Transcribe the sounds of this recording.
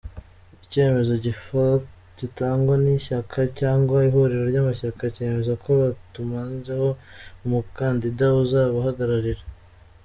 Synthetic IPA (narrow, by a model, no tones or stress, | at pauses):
ice̞ːme̞zo̞ɟifa | ɟ̥itaːŋɡwaniʃakʰacaːŋɡwaiɦo̞ɾeɾoɾɟaːmaʃakace̞ːme̞zakoβatumaːnzeho̞umukaːndidauzaːβahaɡaɾaɾiɾa